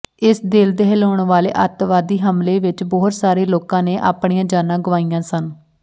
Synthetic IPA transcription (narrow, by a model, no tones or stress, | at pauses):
ɪsd̪eːld̪eːɦeloːɳʋaːlḛːʔət̪ʋaːd̪iːɦəmleːʋɪt͡ʃbɔːt̪saːɾeːloːkãːneːʔa̰ːpɽiːãːd͡ʒaːnãːɡʊʋaːijãːsən